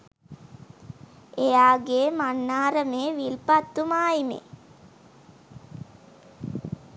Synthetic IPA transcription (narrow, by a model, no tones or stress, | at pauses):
ejaːɡeːmanːaːɾəmeːʋilpat̪ːumaːimḛ